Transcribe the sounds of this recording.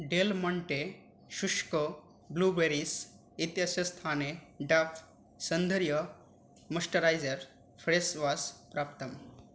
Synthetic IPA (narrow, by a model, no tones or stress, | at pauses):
ɖelməɳʈe | ʃuʂkə | blubeɾis | it̪jaɕɐst̪ʰaneɖaf | sənd̪ʱəɾjə | məsʈəɾajd͡zəɾ | fʰɾesʋaspɾapt̪əm